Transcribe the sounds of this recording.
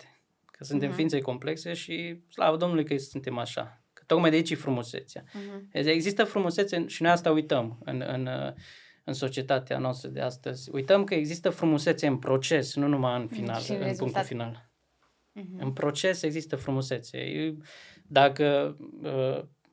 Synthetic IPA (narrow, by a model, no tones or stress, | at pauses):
e̥ | kʰəsunt̪e̞mfiint̪seko̞mple̞kse̞ʃisla̰vəd̪o̞mnulujkəsɨnt̪e̞maʃa̰ | kə̥t̪o̞kmajd̪eait͡ʃjifɾumusḛt̪sjaeɡzist̪əfɾumuse̞t̪seʃinojast̪aujt̪əmɨ̰nɨ̰n | ɨnso̞t͡ʃie̞t̪at̪ea̰noast̪ɾəd̪e̞̰ast̪əzʲṵjt̪əmkəeɡzist̪əfɾumuse̞t̪se̞ɨnpɾo̞t͡ʃe̞snunumajɨnfina̰lɨ̰puŋkt̪ufinal | ɨnpɾo̞t͡ʃe̞se̞ɡzist̪əfɾumuse̞t̪sḛ | d̪akəə